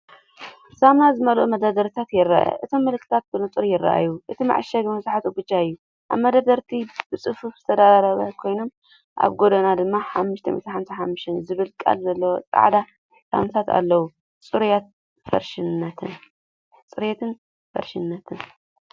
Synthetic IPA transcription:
samazɨmɐlʔumɐd̪ad̪ɐɾt̪ʰat̪jɪɾːa̰ʔɐ̰ʔɨt̪ʰo̞mːɐlɨkʰːɨt̪ʰat̪̚bɨlot͡sʼɨɾijɪrːa̰ʔa̰jːuʔɨt̪ʰima̰ʕʃɐɡɨmɐzaħat̪uɡɨt͡ʃːaɨjːu | ʔa̰βmɐd̪ad̪ɐɾt̪ʰibɨt͡sʼɨfufzɨt̪ʰɐd̪ad̪aɾɐβɐ̰kʰo̞jnom | ʔa̰βɡod̪ɐnad̪ɨmːaħamːuʃt̪ʰɐ̰mḭt̪ħamsʰaħamːɨʃt̪ʰɛnzɨβɨlkʼa̰lzɐlːɐwot͡sʼa̰ʕd̪a | sa̰msʰat̪ʰa̰lːɐwu | t͡sʼɨɾjat̪̚ | fɐ̰ɾʃɪnnːɐt̪ʰɨn | t͡sʼɨɾjet̪ʰɨn | fɐ̰ɾʃɪnːɐt̪ʰɨn

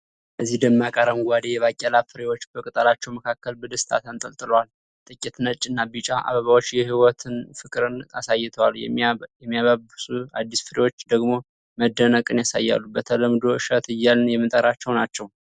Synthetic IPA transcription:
bəzːihd̪əmːakʼəɾəmɡʷad̪ejɛβakʼːɛlafɨɾewot͡ʃːbəkʼɨt̪ʼəlat͡ʃːɛwməkʰakːəlbəd̪əst̪ʰa̰t̪ʰənt̪ʼəlt̪ʼɨləwal | t̪ʼɨkʼːit̪nət͡ʃʼːɨnːabit͡ʃʼaʔa̰βəβawo̞t͡ʃːjɛɦiwɔt̪ʰɨnfɨkʼɨɾɨnasajːɪt̪ʰəwaljɛmːijaβabɨsua̰d̪ːisfɨɾewo̞t͡ʃːd̪əɡmo̞ | məd̪ːənəkʼɨnjasa̰jːa̰lːubət̪ʰələmd̪o̞ʔɨʃət̪ɨjːalnjɛmːɨnt̪ʼəɾat͡ʃːɛwnat͡ʃːɛw

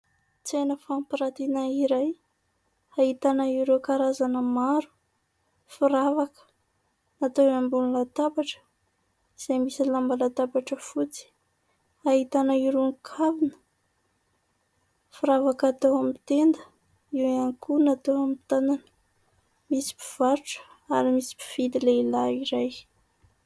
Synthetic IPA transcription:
t͡sejnəfampiɾat̪inaiɾaj | aɦit̪anəiɾokaɾazanəmaɾu̥ | fuɾavakə̥ | nat̪oambunilat̪abaʈ͡ʂə̥ | z̥emisilambalat̪abaʈ͡ʂəfut͡si̥ | aɦit̪anəiɾoŋkʰavinə̥ | fiɾavakat̪oamit̪end̪ə | iwankunat̪oamit̪ananə̥ | misi̥pi̥v̥aɾuʈ͡ʂə̥ | a̰ɾimisi̥pi̥v̥id̪ileilaiɾaj

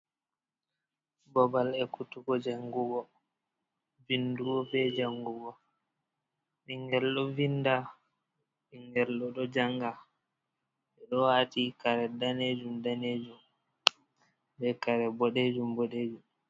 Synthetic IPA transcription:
bɔbalɛkutuɡɔd͡ʒaŋɡuɡɔ | vinduɡɔbɛd͡ʒaŋɡuɡɔ | ɓiŋɡɛlɗɔvinda | ɓiŋɡɛlɗɔɗɔd͡ʒaŋɡa | ɓɛɗɔwaːtikaɾɛdaned͡ʒumdaned͡ʒum | bɛkaɾɛbɔɗed͡ʒumbɔɗeːd͡ʒum

